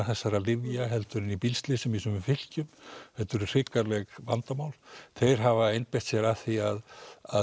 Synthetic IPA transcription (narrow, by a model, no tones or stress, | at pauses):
θɛsːaɾalɪvjaɦɛlt̪ʏɾɪnipilst̪lɪsɛmisœmʏfɪl̥cʏmhɛlt̪ʏɾr̥ɪkaɾlɛɣvant̪amaːwlθejɾ̥ɦavaejnpejht̪sjɛɾaθiaða